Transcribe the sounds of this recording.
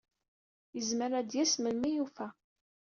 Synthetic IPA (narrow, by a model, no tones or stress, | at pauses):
jəzməɾæd̪jæsməlmijufæ